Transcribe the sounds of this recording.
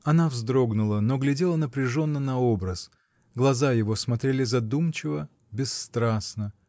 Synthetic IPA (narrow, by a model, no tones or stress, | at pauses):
ɐnavzd̪ɾoɡnʊlˠəno̞ɡlʲɪdʲelˠənəpɾʲɪʐo̞nːənɐo̞bɾəs | ɡlˠɐzajɪvo̞smɐt̪ɾʲelʲɪzɐd̪umt͡ɕɪvə | bʲɪsːt̪ɾasnə